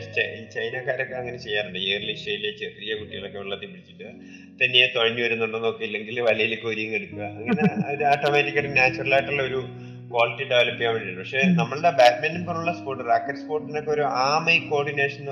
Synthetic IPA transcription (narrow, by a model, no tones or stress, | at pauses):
t͡ɕɐt͡ɕɐjnaːkaːɾokːe̞ɐŋːɐnet͡ɕe̞jːaːruɳɖɨeːrliʂɐjilet͡ɕerijɐkuʈːiɣɐɭo̞kːe̞ʋeɭːɐt̪ːipiɽit͡ɕʲːiʈːɨ | t̪ɐnːijet̪oɻɐɲːuʋɐɾunːuɳɖenːokːɐjilːe̞ŋɡilʋɐlijilekːɨoɾijɐŋeɽukːuɣɐɐŋːɐneɐɾuaːʈːoːmetːikʲːɐɽnaːt͡ɕːɐrɐlaːjiʈːuɭːɐoɾu | kwaːliʈːiɖeʋɐlɐpːikjaːmɐɽiɭːɨpɐkʂe̞nɐmːɐɭɽebaːʈmenumponːuɭːɐspoːrʈːɨraːkːɐʈspo̞ːrʈːinokːeoɾuʔaːmɐjiko̞ːɖine̞ːʂɐnn